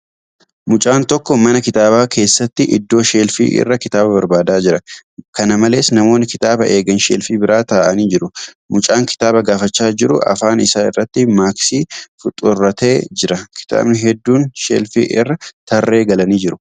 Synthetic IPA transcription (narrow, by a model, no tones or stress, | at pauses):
mʊt͡ʃʼaːnt̪ɔkːɔmɐnɐkɪt̪aːbaːkʰe̞ːsːɐt̪ːɪʔɪ̰d̪ːo̞ːʃe̞ːlfḭːʔɪ̰rːɐkɪt̪aːbɐbɐɾbaːd̪aːd͡ʒɪɾɐkɐnɐmɐle̞ːsnɐmo̞ːnːɪkɪt̪aːbɐʔe̞ːɡɐnʃeːlfiːbɪɾaːt̪aːʔɐniːd͡ʒɪɾʊ | mʊt͡ʃʼaːŋkɪ̥t̪aːbɐɡaːfɐt͡ʃːaːd͡ʒɪɾʊ̰ʔɐ̰faːnɪsaːɪrːɐt̪ːɪmaːksiːfʊt̪ʼʊrːɐt̪e̞ːd͡ʒɪɾɐkʰɪ̥t̪a̰ːbnɪɦɛd̪ːuːnʃḛːlfḭːʔɪ̰rːɐt̪ɐrːe̞ːɡɐlɐniːd͡ʒɪɾʊ̥